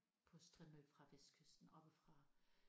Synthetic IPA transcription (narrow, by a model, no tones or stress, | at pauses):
pʰɒ̽sd̥ʁimø̥fʁɑ̈ʋesd̥̚kʰøsd̥n̩ɒ̽b̥əfʁɑ̈